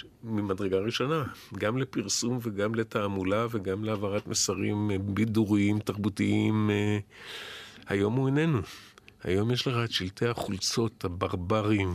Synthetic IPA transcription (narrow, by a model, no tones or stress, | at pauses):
mimadʁeɡaʁiʃo̞naɡamlepiʁsumveɡamle̞taːmulaveɡamleavaʁat̪mesaʁimbiduʁiimtaʁbutiim | ha̰jo̞muene̞nuha̰jo̞mjeʃleχaʃiltʰehaχult͡so̞thabaʁbaʁim